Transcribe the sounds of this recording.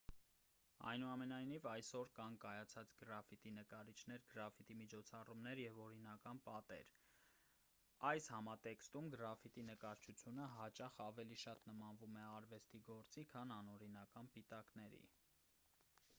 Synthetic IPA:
ɑ̰jnuɑmɛnɑjnivɑjsɔɾkɑnkɑjɑt͡sʰɑt͡sɡəɾɑfit̪inəkɑɾit͡ʃʰnɛɾɡəɾɑfit̪imit͡ʃʰɔt͡sʰɑrumnɛɾjɛvɔɾinɑkɑnpɑt̪ɛ̰ɾ | ɑjshɑmɑt̪ɛkst̪umɡɾɑfit̪inəkɑɾt͡ʃʰut͡sʰjunəɦɑt͡ʃɑχɑvɛliʃɑt̪nəmɑnvumɛɑɾvɛst̪iɡɔɾt͡sikʰɑnɑnɔɾinɑkɑnpit̪ɑknɛɾḭ

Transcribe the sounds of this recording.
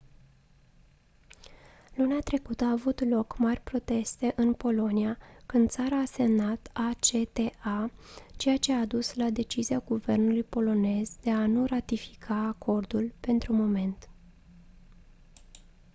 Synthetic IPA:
luneat̪ɾe̞kut̪əaːvut̪lo̞kmarʲpɾo̞t̪e̞st̪e̞ʔɨnpo̞lo̞niakɨnd̪t̪saɾaːse̞mnat̪at͡ʃe̞t̪e̞at͡ʃe̞jat͡ʃe̞aːd̪uslad̪e̞t͡ʃiziaɡuve̞rnulujpo̞lo̞ne̞zd̪e̞anurat̪ifi̥kʰaːkʰo̞rd̪ulpe̞nt̪ɾumo̞me̞nt̪

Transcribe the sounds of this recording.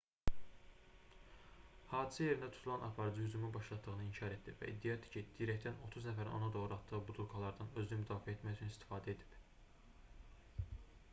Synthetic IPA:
hɑːd̪i̥sæje̞ɾind̪æt̪ʰu̥t̪ʰulˠɑnʔɑpʰɑɾɯd͡ʒɯhyd͡ʒumynbɑʃlˠɑt̪ːɯɣɯnɯiɲcʰɑɾe̞t̪d̪ivæ̰ʔḭd̪ːijɑd̪i̥cʰid̪̥iɾɛct̪ʰæno̞t̪ʰuznæfæɾino̞̰nɑd̪o̞ʁɾɯɑt̪ːɯʁɯbud̪ʰulˠkʰɑlˠɑɾd̪ɑnø̞znymyd̪ɑːfiæet̪mæjyt͡ʃʰynist̪i̥fɑːd̪æed̪i̥p

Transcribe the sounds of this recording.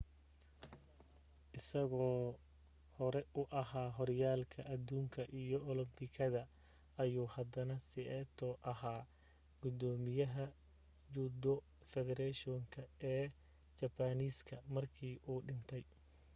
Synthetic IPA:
ʔɪsɐɣɔː | hɔɾɛʊʔɐhaːɦɔrjaːlkʰɐʔɐd̪uːŋkʰɐʔijɔʔɔlɪmbɪkʰɐðɐ | ɐjuːhɐd̪ɐnɐsɪɛːt̪ʰɔːʔɐhaː | ɡʊd̪ɔːmɪjɐɦɐ | d͡ʒud̪ɔ | fɛðɛɾɛʃɔŋkʰɐɛː | t͡ʃɐbaniːskʰɐmɐrkʰiːʔuːɖɪnt̪ʰɛj

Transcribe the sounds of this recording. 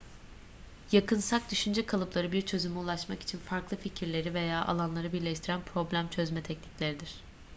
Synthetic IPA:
jakɯnsak̚d̪yʃynd͡ʒɛkʰalˠɯplˠaɾɯbiɾt͡ʃʰø̞zymiulˠaʃmaki̥t͡ʃʰinfaɾklˠɯficʰiɾlʲe̞ɾive̞jaːʔa̰lˠanlˠaɾɯbiɾlʲɛʃt̪ʰiɾænpʰɾo̞blʲæmt͡ʃʰøzmɛt̪ʰɛcniclʲe̞ɾid̪iɾ̝̥

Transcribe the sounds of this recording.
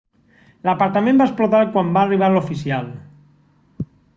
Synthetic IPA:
lapaɾt̪amẽmbaesplot̪aɾkwambaːriβ̞alofisial

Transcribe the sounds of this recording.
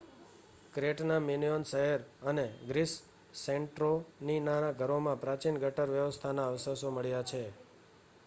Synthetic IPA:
kɾeʈnaminionsəɦeɾəneɡɾisː | eɳʈɾoninanaɡʱəɾomãpɾat͡ʃinɡʱəʈəɾʋjəʋəst̪ʰanaəʋsəsoməɭjat͡ʃʰe

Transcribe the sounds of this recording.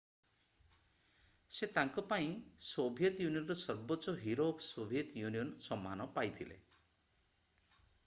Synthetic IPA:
set̪aŋkɔpaĩsobʱjet̪junijɔnɾɔsɔɾbɔt͡ʃɔɦiɾopsobʱijet̪junijɔnsɔmːanɔpajt̪ʰilḛ

